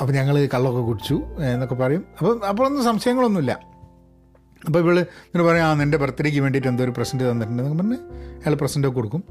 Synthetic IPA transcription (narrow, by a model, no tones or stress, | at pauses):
ɐpːoːɲɐŋːɐɭɨkɐɭːo̞kːekuɽit͡ɕːunːokːepɐrɐjumɐpːoɐpːoɭonːɨsɐmɕɐjɐŋːɐɭo̞nːumilːɐ̰ | ɐp̬ːoːiʋiɭŋɐɭɨpɐrɐjumaːnende̞prɐt̪ːɐɾik̬ʲːumʋe̞ːɳɖiʈːend̪ɨoɾuprɐsɐnɖɨt̪ɐnːɐʈːuɳɖɨnɐkːɐmɐnːeɐjaːɭprɐsɐndokːekoɽukːum